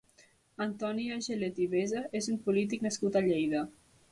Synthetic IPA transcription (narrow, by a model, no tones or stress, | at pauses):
ant̪ɔniaʒelet̪iβezaezumpulit̪̬iknəskut̪aʎejðə